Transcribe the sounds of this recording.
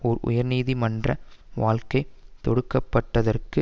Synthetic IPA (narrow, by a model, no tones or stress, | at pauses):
ɔɾʊ̰jɐɾniːðimɐndrɐʋaːlkɐɪt̪ɔɽɯkːɐpːɐʈːɐðɐrkɯ